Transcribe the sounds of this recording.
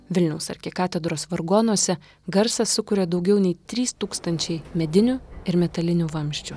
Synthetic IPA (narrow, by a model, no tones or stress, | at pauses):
ʋʲɪlʲnʲɛʊsɐ̰ɾʲkʲɪkɑːt̪ʲɛd̪ɾoːsʋɐɾɡoːnuɔsʲɛ | ɡɐɾsɐsʊkʊːɾʲɛd̪ɒʊɡʲɛʊnʲɛɪt̪ʲɾʲiːst̪uːkst̪ɐnʲt͡ʃʲɛɪmʲɛd̪ʲɪnʲuɪɾmʲɛt̪ɐlʲɪnʲuʋɐmʲʃʲt͡ʃʲu